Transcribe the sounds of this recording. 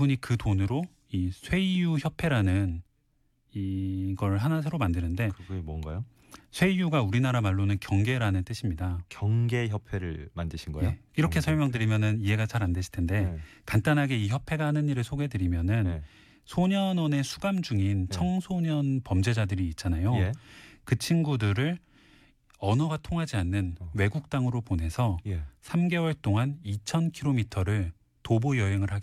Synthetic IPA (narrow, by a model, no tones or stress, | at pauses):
buɲikɯtonɯɾo | isʰwe̞ijuçjʌpʰe̞ɾanɯn | iɡʌɭɦanasʰeɾomandɯnɯnde̞mʌnɡajo | sʰwe̞ijuɡauɾinaɾamaɭːonɯnkjʌŋɡe̞ɾanɯnt͈ɯɕʰimɲidakjʌŋɡe̞çjʌpʰeɾɯɭmandɯɕʰinɡʌjeoiɾʌkʰe̞sʰʌɭmjʌŋdɯɾimjʌnɯnie̞ɡat͡ɕaɾande̞ɕʰi̥ɭtʰende̞kant͈anɦaɡe̞içjʌpʰe̞ɡaɦanɯɲːiɾɯɭsʰoɡe̞dɯɾimjʌnɯn | sʰoɲʌnʌne̞sʰuɡamd͡ʑuŋint͡ɕʰʌŋsʰoɲʌnpʌmd͡ʑe̞d͡ʑadɯɾiːt̚t͡ɕ͈anajokɯt͡ɕʰinɡudɯɾɯɭ | ʌnʌɡatʰoŋɦad͡ʑianːɯnwe̞ɡuk̚t͈aŋɯɾopone̞sʰʌsʰamɡe̞wʌɭt͈oŋanit͡ɕʰʌnkʰiɾomitʰʌɾɯɭ | tobojʌɦe̞ŋɯɭhaɡe